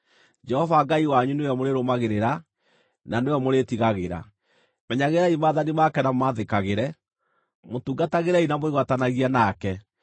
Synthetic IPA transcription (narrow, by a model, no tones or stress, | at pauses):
d͡ʒɛhɔvaɡaiwaɲuneɔmoɾeɾomaɣeɾeɾa | naneɔmoɾetiɣaɣeɾa̰ | mɛɲaɣeɾaimaːðanimakɛnamaðekaɣeɾɛ | motuːɡataɣeɾɛinamoeɣwatanaɣianakɛ